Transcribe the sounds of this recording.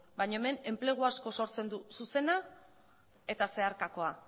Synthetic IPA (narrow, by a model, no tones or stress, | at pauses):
bajɲoeme̞ne̞mple̞ɣ̞uasko̞so̞ɾt͡se̞nd̪ususe̞na | e̞t̪ase̞aɾkako̞a